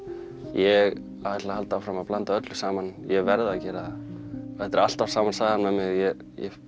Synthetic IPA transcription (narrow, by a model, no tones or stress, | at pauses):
jɛɣ | aat̪lahalt̪awfɾamaðplant̪aœt̪lʏsaːmanjɛvɛɾðacɛːɾað | ɛht̪ːɪɾal̥t̪awsaːmansaːɣðanmɛðmɪɣjɛ | jɛ̰